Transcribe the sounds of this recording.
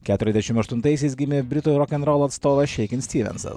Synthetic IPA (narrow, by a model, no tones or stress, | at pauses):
kʲæːt̪ʲʊɾʲɛzd̪ʲɛʃʲɪmɐʃt̪ʊnt̪ɐɪsʲɛɪsɡʲɪmʲɪbʲɾʲɪt̪uːɾɔkʲɛnɾɔlˠɐt̪st̪oːʋɐʃʲɛɪkʲɪnsʲt̪ʲiːʋʲɛ̰nsɐ̰s